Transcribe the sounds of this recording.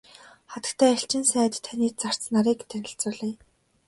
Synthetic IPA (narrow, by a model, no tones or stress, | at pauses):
χat̪ə̥̆kt̪ʰæːɬt͡ɕɪ̆nsæːt̪ʰaniːt̪̚t͡sar̥t͡snaɾiːkt̪ʰænʲɪ̆ɬt͡sʊːɮiː